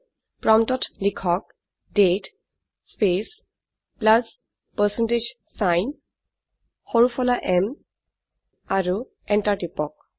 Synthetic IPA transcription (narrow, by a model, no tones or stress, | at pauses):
pɹɔmtɔtlikʰɔk̚ | det | spes | plas | pəɹsɛnted͡ʒ | sajn | xoɹufʰɔlaʔɛm | aɹu | ɛntaɹtipɔk̚